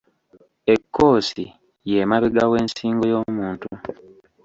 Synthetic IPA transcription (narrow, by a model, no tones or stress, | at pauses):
ekːo̞ːsi | jemaβeɡawe̞ːnsiːŋɡojo̞ːmuːntu